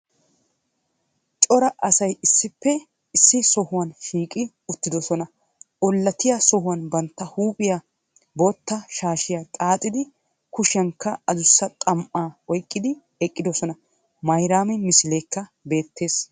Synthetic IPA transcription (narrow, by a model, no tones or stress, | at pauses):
t͡ʃʼɔɾɐʔɐsɐjɪsːɪpːɛ | ɪsːɪsɔhʊwɐnʃiːkʼɪ | ʊt̪ːɪd̪ɔsɔnɐ | ʔɔlːɐt̪ɪjasɔhʊwɐnbɐnt̪ːɐhuːpʼɪja | boːt̪ːɐʃaːʃɪjat̪ʼaːt̪ʼːɪd̪ɪ | kʊʃɐŋkːɐɐzʊsːɐt̪ʼɐmʔaːɔjkʼːɪd̪ɪ | ɛkʼːɪd̪ɔsɔnɐ | mɐjɾaːmɪnmɪsɪleːkːɐbe̞ːt̪ːe̞ːs